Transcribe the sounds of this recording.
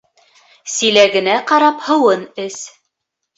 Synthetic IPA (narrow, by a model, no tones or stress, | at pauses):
silæɡɘ̆næqɑɾɑphɤ̆wɤnɘs